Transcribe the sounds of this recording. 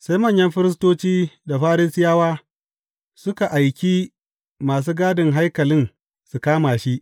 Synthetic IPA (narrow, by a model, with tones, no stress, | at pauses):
sa˦jmɐ˦˨ɲjɐ˦mɸɪ˦ɾɪ˦s̬toː˦t͡ʃiː˦da˨ɸaː˦ɾɪ˦sɪ˦jaː˦waː˦ | sʊ˦ka˨ʔa˨jkʲi˦ | maː˨s̬uː˦ɡaː˦dɪ˨ŋɦa˦jkɐ˨lɪ˦n | su˨kaː˦maː˨ʃi˦ʔ